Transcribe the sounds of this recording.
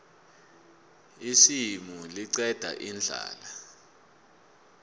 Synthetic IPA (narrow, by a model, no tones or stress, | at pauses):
isimuliǀɛd̥ʱa̰ʔind͡ɮʱa̰ːla